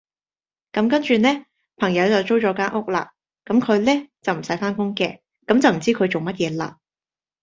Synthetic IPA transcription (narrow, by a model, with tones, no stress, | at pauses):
kɐ˨˥mkɐ˥nt͡ʃyː˨nɛː˥ | pʰɐ˨˩ŋjɐ˨˧wt͡sɐ˨wt͡so˥wt͡ʃɔː˨˥kaː˥nʔʊ˥k̚la̰ː˧ | kɐ˨˥mkʰɵ˨˧ɥlɛː˥t͡sɐ˨wm̩˨˩sɐ˨˥jfaː˥nkʊ˥ŋkɛː˧ | kɐ˨˥mt͡sɐ˨wm̩˨˩t͡siː˥kʰɵ˨˧ɥt͡so˨wmɐ˥t̚jɛː˨˧la̰ː˧